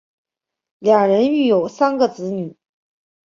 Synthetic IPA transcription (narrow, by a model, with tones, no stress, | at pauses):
ljɑ˨˩ŋɻə˧˥ny˥˩jo˨˩ʊsa˥nɡə˨t͡sɹ̩˧˥ny˨˩˦